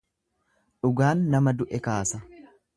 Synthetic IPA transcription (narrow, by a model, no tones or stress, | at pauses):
ᶑʊɡaːnːɐmɐd̪ʊʔɛkaːsɐ